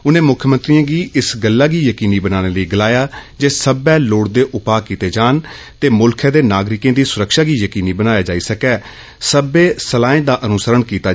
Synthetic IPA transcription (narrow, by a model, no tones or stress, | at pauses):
ʊnẽːmʊkʰjəmə̃nt̪ɾijãːɡiːɪsɡəlːaːɡiːjəkiːniːbənaːñeːləiːɡɪlaːjaːd͡ʒeːsəbɛːloːɽd̪eːʔʊpaːkiːt̪eːd͡ʒaːn | t̪eːmʊlkʰɛ̃ːd̪eːnaːɡɾɪkẽːd̪iːsʊɾəkʃaːɡiːjəkiːniːbənaːjaːd͡ʒaːiːsəkɛː | səbeːsəlaːẽːd̪aːʔənʊsəɾəɳkiːt̪aː